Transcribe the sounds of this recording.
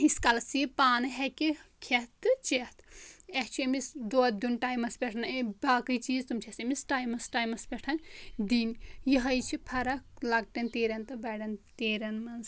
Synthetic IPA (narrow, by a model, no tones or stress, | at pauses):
iskɐlsipaːnɨɦekikʰet̪ːɨt͡ʃet̪ekt͡ʃʰemisd̪od̪unʈaːjmɐsbʲeʈʰnabaːkɨjt͡ʃiːzt̪umt͡ʃʰesemisʈaːjmɐsʈaːjmɐsbʲeʈʰɐnd̪injiɦɐjt͡ʃʰipʰɐɾɐklɐɡ̚ʈɐnt̪eːɾɐnt̪ɨbɐɽɐnt̪eːɾɐnmɐns